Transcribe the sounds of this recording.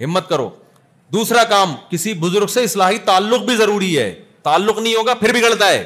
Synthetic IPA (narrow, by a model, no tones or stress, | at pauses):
ɦɪmːət̪̚kɐɾo̰ː | d̪uːsɾakaːmkɪsibʊzʊɾɡseɪslaːɦit̪aːlːʊq̚bʱizɐɾuːɾiɦɛ̰ːt̪aːlːʊqnɐɦĩɦoːɡapʰɪɾbʱiɡɐɭt̪aɦɛ̰ː